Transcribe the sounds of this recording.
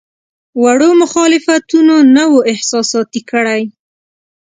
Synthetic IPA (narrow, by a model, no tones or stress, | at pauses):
waɽomʊxɑlɪfat̪unonawoɪhsɑsɑt̪ikəɽaj